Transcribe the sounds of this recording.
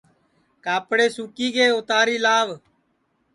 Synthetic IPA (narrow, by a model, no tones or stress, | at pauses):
kaːpɽeːsuːkiːkeːoːt̪aːɾiːlaːʋ